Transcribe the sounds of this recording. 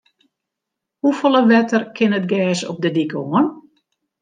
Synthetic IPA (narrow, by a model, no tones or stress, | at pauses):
hufolˠəʋɛtərkʰɪnət̚ɡɛːsɔp̚dədikoən